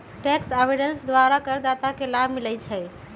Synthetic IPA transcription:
ʈɛksebiɖənsd̪waɾakəɾd̪at̪akelabʱmilɛjt͡ʃʰɛ

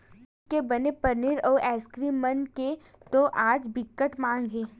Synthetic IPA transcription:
kebɐnepɐɾnɪɾɔːɾʔɛːskɾimənke | t̪oʔaːd͡ʒbɪkːəʈmãːŋɡɦẽː

